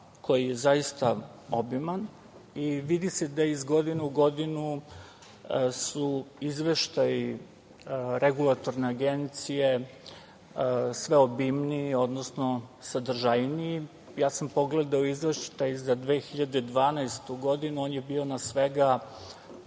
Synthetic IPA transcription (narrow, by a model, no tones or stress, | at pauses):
kʰo̞jijezaist̪ao̞biman | iʋid̪ised̪aizɡo̞d̪ineuɡo̞d̪inu | suizʋeʃt̪aji | ɾeɡulˠat̪o̞ɾneaɡent̪sije | sʋe̞o̞bimniio̞d̪nosno̞sad̪r̩ʒajnii | jaːsampo̞ɡled̪aoizʋeʃt̪ajzad̪ʋe̞ːxiʎad̪ed̪ʋaːnaest̪uɡo̞d̪inuoːnjebiːo̞nasʋeɡa